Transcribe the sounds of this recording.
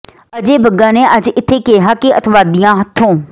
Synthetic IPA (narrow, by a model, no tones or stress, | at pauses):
əd͡ʒeːbəɡːãːneːʔəd͡ʒɪt̪ʰːeːkeɦaːkɪət̪ʋaːd̪ijãːɦət̪ʰːõː